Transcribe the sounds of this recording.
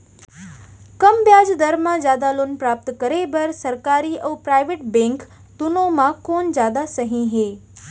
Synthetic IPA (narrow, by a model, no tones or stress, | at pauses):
kɐmbjaːd͡ʒd̪əɾmãzjaːd̪aloːnpɾaːp̚t̪kəɾebəɾsəɾkaːɾiːʔɐwpɾaːɪʋeʈbẽŋk | t̪ʊnõmãkoːnzjaːd̪asəɦĩɦeː